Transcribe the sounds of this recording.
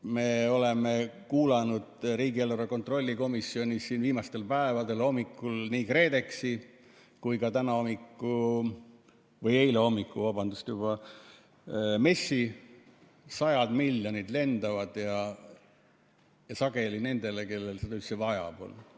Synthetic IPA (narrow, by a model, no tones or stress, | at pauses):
me̞o̞le̞me̞kuːlɑnud̪̥ɾiːɡielːuɾɑko̞nt̪ˑro̞lʲːiko̞misːio̞nʲisːiːnviːmɑst̪e̞lpæevɑd̪e̞lo̞mikːˑulniːkre̞ːd̪e̞ksi | kujkɑt̪ænɑo̞mikːˑu | vɤje̞jleo̞mːikːˑuvɑbɑnd̪ust̪jub̥ɑ | me̞sːi | sɑjɑd̪̥milːjonʲid̪le̞nd̪̥ɑvɑd̪̥jɑ | jɑsɑɡe̞line̞nd̪e̞le̞ke̞lːe̞lset̪osevɑjɑ̰b̥o̰l